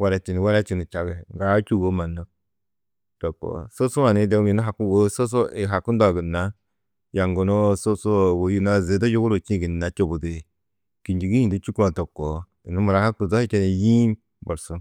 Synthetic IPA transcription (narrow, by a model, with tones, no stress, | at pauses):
wa˨ɾa˨t͡ʃi˨ni˨wa˦ɾa˦t͡ʃi˨ni˨t͡ʃa˨ɡe˨ŋɡa˨˦t͡ʃu˦wo˦ma˨nːo˦ | to˨kːo̰˨so˦su˦ma˨ne˨˦de˦i˨no˦ɦa˨ku˦wo˦so˦s̬o˦i˨ɦa˨ku˦n˦da˨ɡi˨nːa˨˦ | ja˨ŋɡo˨no˦so˦so˦˨wo˨˦ji˦n˦a˦ze˨˦da˦jo˦ɡu˦ɾo˨t͡ʃĩ˦˨ɡi˨nː˨a˨t͡ʃo˦bu˨de˨ | ki˨nd͡ʒi˨ɡi˦jĩ˦˨di˦t͡ʃi˦ku˦a˨to˨kːo˨ | i˨nu˦mu˨ɾa˨ha˦ku˨zo˦hi˦t͡ʃe˦ne˨ji˦n | bo˨ɾso˦